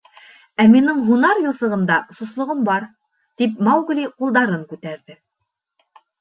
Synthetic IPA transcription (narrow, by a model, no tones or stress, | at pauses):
æminɘɴɦunɑɾjŭlˠsɤ̆ʁɤ̆md̪ɑsŏslˠŏʁɤmbɑɾ | t̪ip̚mɑwɡlʲiqulˠd̪ɑɾɤŋkʉt̪æɾðɘ